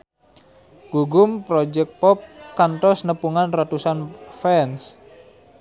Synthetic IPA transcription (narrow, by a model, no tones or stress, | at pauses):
ɡ̥uɡʊmpɾɔd͡ʒɛk̚t̪̚pɔp̚kant̪ɔsnəpuŋanrat̪usanfɛns